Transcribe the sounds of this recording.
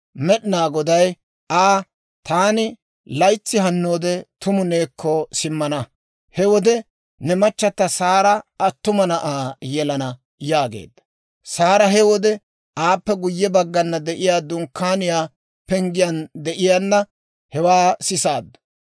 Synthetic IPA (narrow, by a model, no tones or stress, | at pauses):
mɛɗɪnaːɡɔd̪ɐj | ʔaː | t̪aːnɪ | lɐjt͡sːɪɦɐnːo̞ːd̪ɛt̪ʊmʊne̞ːkːɔsɪmːɐnɐ | hɛwɔd̪ɛ | nɛmɐt͡ʃːɐt̪ːɐsaːɾɐʔɐt̪ːʊmɐnɐʔaːjɛlɐnɐ | jaːɡḛːd̪ːɐ̥ | saːɾɐɦɛwɔd̪ɛ | aːpːɛɡʊjːɛbɐɡːɐnːɐd̪ɛʔɪjaːd̪ʊŋkʰːaːnɪjaː | pɛŋɡɪjɐnd̪ɛʔɪjaːnːɐ | hɛwaːsɪsaːd̪ːɐ̥